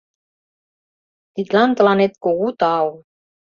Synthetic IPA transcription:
t̪it̪lɑnt̪əlɑnet̪̚koɣut̪ɑw

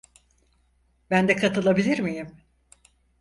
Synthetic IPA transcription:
bænd̪ɛkʰat̪ʰɯlˠabilʲiɾmijim

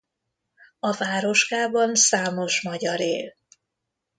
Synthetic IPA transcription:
ɒvaːɾo̞ʃkaːbɒnsaːmo̞ʃmɒɟɒɾeːl

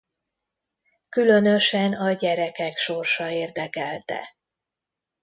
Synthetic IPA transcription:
kylø̞nø̞ʃɛnɒɟɛɾɛkɛkʃo̞rʃɒeːrd̪ɛkɛlt̪ɛ̰

